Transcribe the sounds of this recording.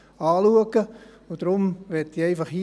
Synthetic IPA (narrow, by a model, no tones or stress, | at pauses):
ɑːluəkə | ʊd̥ɾʊmʋɛtiɛɪfɑχhi